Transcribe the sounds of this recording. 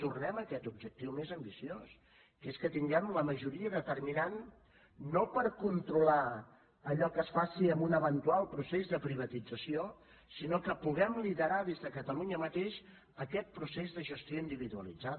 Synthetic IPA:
t̪urnɛməkɛt̪ub̚d͡ʒək̚t̪iwmezəmbisios | keskət̪iŋɡɛmləməʒuɾiəðət̪ərminanː | opəɾkunt̪ɾula | əʎɔkəsfasiəmbunəβənt̪ualˠpɾusezðəpɾiβ̞ət̪id͡zəsio | sinokəpuɣɛmliðəɾaðezðəkət̪əluɲəmət̪eʃ | əkɛt̪̚pɾusezðəʒəst̪joind̪iβiðuəlid͡za

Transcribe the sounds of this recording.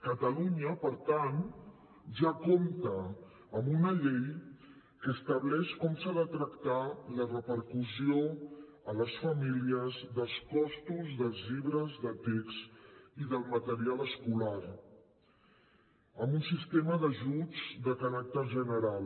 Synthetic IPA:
kət̪əluɲəpəɾt̪an | ʒakomt̪əː | mbunəʎej | kəːst̪əβlɛʃkɔmsaðət̪ɾəkt̪alərəpəɾkusio | ələsfəmiliəzd̪əlˠskɔst̪uzðəlˠzʎiβɾəzðət̪ekst̪iðəlˠmət̪əɾialəskulaɾ | əmbunsist̪eməðəʒud͡zd̪əkaɾak̚t̪əʒənəɾal

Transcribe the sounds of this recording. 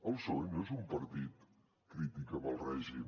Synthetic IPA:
əlˠsoɲezumpəɾt̪it̪ | kɾit̪ikəməlˠrɛʒim

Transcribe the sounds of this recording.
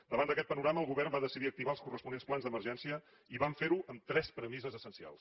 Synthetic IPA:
d̪əβand̪əkɛt̪pənuɾaməlˠɣuβɛrmbaðəsiðiək̚t̪iβaəlˠskurəspunensplˠanzd̪əmərʒɛnsiə | iβaɱfeɾuʔəmt̪ɾɛspɾəmizəzəsənsia̰lˠs

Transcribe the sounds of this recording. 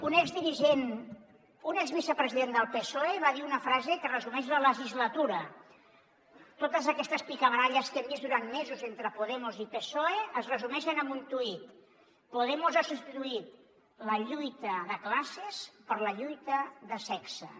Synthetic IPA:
unɛkzðiɾiʒen | unekzβisəpɾəziðend̪əlˠpesoeβaðiunəfɾazekərəzumɛʒlələʒizlət̪uɾə | t̪ot̪əzəkɛst̪əspikəβɾaʎəskembizd̪uɾanmezuzent̪ɾəpuðɛmuzipesoeəzrəzumɛʃənəmbunt̪uit̪ | puðɛmuzasupst̪it̪uit̪ | ləʎujt̪əðəklasespəɾləʎujt̪əðəsɛksə̰

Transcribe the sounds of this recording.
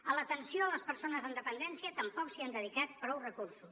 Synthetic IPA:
ələt̪ənsioələspəɾsonəzənd̪əpənd̪ɛnsiət̪əmpɔksiand̪əðikat̪̚pɾɔwrəkuɾsus

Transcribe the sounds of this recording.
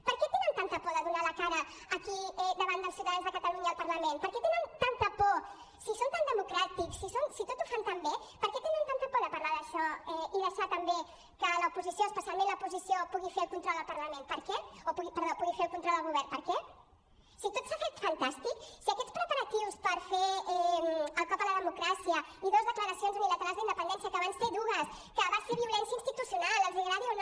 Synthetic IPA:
pəɾkɛt̪enənt̪ant̪əpɔðəðunaləkaɾəː | kiɛðəβand̪əlˠsjiwt̪əðanzðəkət̪əluɲəːlˠpəɾləmenpəɾkɛt̪enənt̪ant̪əpɔ | sisont̪and̪əmukɾat̪iksːisonsit̪ot̪ufant̪ambepəɾkɛt̪enənt̪ant̪əpɔðəpɐɾlaðəʃɔɛiðəʃat̪əmbe | kələupuzisjoəspəsjalˠmẽnləupuzisiopuɣifeɾəlˠkunt̪ɾɔlˠd̪əlpəɾləmẽnpəɾkɛopuɣipəɾðopuɣifeɾəlˠkunt̪ɾɔlˠd̪əlɣuβɛrnpəɾkɛ | sit̪ot̪safet̪fɐnt̪ast̪iksiəkɛt̪spɾəpəɾət̪iwspəɾfeɛəlˠkɔpðələðəmukɾasiəiðozðəkləɾəsionzunilət̪aɾalzðəind̪əpənd̪ɛnsjəkəβansfeðuɣəs | kəβasfeβiulɛnsjəinst̪it̪usjunalˠəlˠziɣəɾaɾion

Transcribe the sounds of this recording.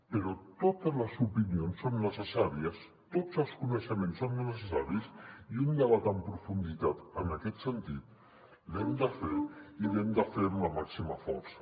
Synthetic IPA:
pəɾɔt̪ot̪əzləzupinionsːonːəsəsaɾiəs | t̪od͡zəlˠskunəʃəmẽnsːonːəsəsəsaɾisiund̪əβat̪əmpɾufund̪it̪at̪ənəkɛt̪sənt̪it̪̚ | lɛmd̪əfeilɛmd̪əfeɾuləmaksiməfɔ̰ɾsə̥

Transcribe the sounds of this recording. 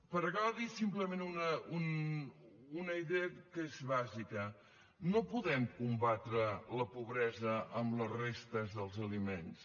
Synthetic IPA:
pəɾɣawðisimpləmenunəun | unəiðeəkezβazikə | nopuðɛmkumbat̪ɾələpuβɾɛzəʔːmlərest̪əzðəlˠzəlimens

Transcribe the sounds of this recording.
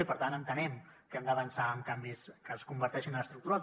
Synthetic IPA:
ipəɾt̪anənt̪ənɛmkɛmd̪əβənsaəŋkambiskəskumbəɾt̪ɛʃinələst̪ɾuk̚t̪uɾa

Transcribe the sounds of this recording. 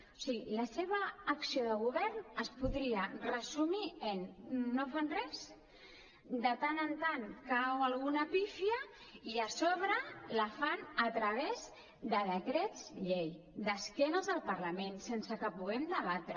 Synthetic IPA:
usiɣiləseβ̞əːksioðəɣuβɛɾnəspuðɾiərəzumiənːofanrɛz | d̪ət̪anənt̪aŋkawalˠɣunapifjəiəsoβ̞ɾəlafanət̪ɾəβ̞ez | d̪əðəkɾɛd͡zʎej | d̪əskɛnəzðəlˠpəɾləmẽnsensəkəpuɣ̞ɛmd̪əβat̪ɾə

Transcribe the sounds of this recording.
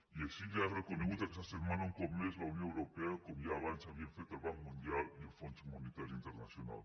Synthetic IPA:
ieʃiʎarekoneɣut̪akesasemãnaõŋkomlezlaunjõewɾopeakomiaβansaβjeɱfet̪alβaŋkmũnd̪jalieɱfontmonet̪aɾjuint̪eɾnasjona̰l

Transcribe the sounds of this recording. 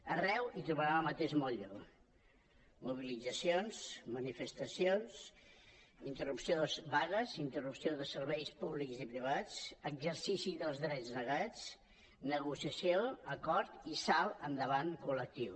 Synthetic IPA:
ərɛwit̪ɾuβəɾaməmət̪eʒmɔʎu | muβilid͡zəsionsmənifəst̪əsions | int̪ərupsiozβaɣəzint̪ərupsioðəsəɾβɛjspuβlikzipɾiβ̞at͡səɡzəɾsisiðəlˠzðɾɛd͡znəɣat͡s | nəɣusiəsioəkɔɾt̪isalˠənd̪əβaŋkulək̚t̪iw

